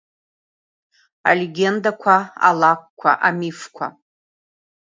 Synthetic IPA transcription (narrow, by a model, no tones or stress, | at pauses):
a̰lʲeɡʲe̞ndakʷʰaa̰lakʷkʷʰa̰ʔamifkʷʰa̰